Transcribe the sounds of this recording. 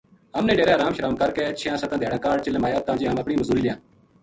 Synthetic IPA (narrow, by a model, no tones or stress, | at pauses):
ɦəmnẽːɖeːɾeːɦəɾaːmʃəɾaːmkəɾkeːt͡ʃʰjãːsət̪ãːd̪ʱeːɽaːkaːɽ̚t͡ʃəlemaːjaːb̚t̪ãːd͡ʒeːɦəməpɽiːməzuːɾiːlɪjãː